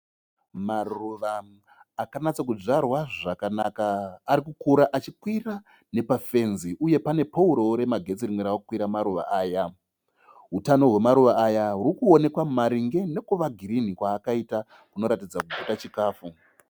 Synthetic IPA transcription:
maruʋaː | kanat͡sak̬ud͡ʐarwaʐakanakaːɾikukuɾaʔat͡ʃikwira | ne̞pafe̞nziʔuje̞pane̞pauɾo̞ɾe̞maɡʱe̞t͡siriŋweɾaokukwiɾamaɾuʋa̰ʔaːja | ɦutano̞ɦwe̞maɾuʋaʔːjaɦuɾikuo̞ne̞kwamaɾiŋɡe̞ne̞kuʋaɡʱiɾinikwaːkaita | kuno̞ɾatid͡zakuɡʱutat͡ʃikaːfu

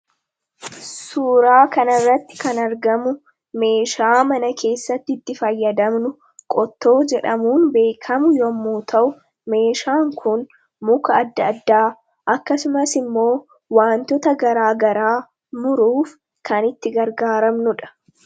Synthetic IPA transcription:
suːɾaːkɐnɐrːɐt̪ːɪ̥kɐnɐɾɡɐmʊ | me̞ːʃaːmɐnɐkʰe̞ːsːɐt̪ːɪt̪ːɪfɐjːɐd̪ɐmnʊ | kʼɔt̪ːo̞ːd͡ʒɛᶑɐmuːnbe̞ːkʰɐmʊjɔmːuːt̪ʰɐʔʊ | me̞ːʃaːŋkʰʊn | mʊkɐːd̪ːɐːd̪ːaː | ʔɐkːɐsʊmɐsɪmːo̞ː | waːnt̪ɔt̪ɐɡɐɾaːɡɐɾaː | mʊɾuːf | kɐnɪt̪ːɪɡɐɾɡaːɾɐmnʊᶑɐ̥

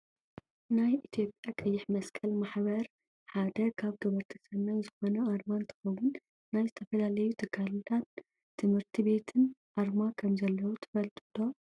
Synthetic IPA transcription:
najʔit̪ʰjo̞pʼjakʼɐjːɪħmɐskʰɐlmaħbɐɾ | ħad̪ɐkʰaβɡɐβɐɾt̪ʰɐsɐnɐnzɨxo̞nɐaɾmant̪ʰɐ̥xɐwʊnː | ajzɨt̪ʰɐfɐlalɐjut̪ʰɨkʰːalt̪an | t̪ʰɨmhɨɾt̪ʰibe̞t̪ʰɨnʔaɾmakʰɐmzɐlːɐwut̪ʰɨ̥fɐlt̪ʼɨd̪ʰo̞

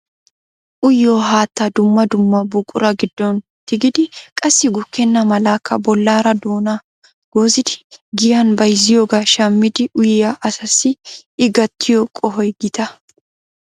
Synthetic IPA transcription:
ʔʊjːoːɦaːt̪ːɐd̪ʊmːɐd̪ʊmːɐbʊkʼʊɾɐɡɪd̪ːɔnt̪ɪɡɪd̪ɪkʼɐsːɪɡʊkːɛnːɐmɐlaːkʰːɐbɔlːaːɾɐd̪oːnɐ | ɡ̥oːzɪd̪ɪ̥ɡɪjɐnbɐjzɪjoːɡaʃɐmːɪd̪ɪʔʊjjaʔɐsɐsɪɪɡɐt̪ʰːɪjokʼɔɦɔjɡɪt̪ɐ

